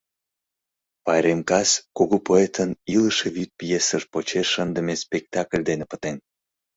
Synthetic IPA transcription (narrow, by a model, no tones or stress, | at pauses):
pɑjɾemkɑskoɣopoet̪əniləʃeβyt̪̚pʲijesəʒpot͡ɕeːənd̪əmespek̚t̪ɑklʲd̪enepə̥t̪en